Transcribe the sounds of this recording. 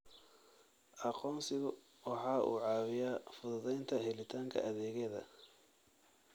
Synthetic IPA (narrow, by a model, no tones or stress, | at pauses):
ʔɑqɔːmsɪɣʊ | wɑħɑːʔṵːʕɑːwɪjaːfʊðʊðɛjnt̪ʰɐɦɛlɪt̪ʰaːŋkʰɐ̰ʔɐðɛːɣɛːðɐ̰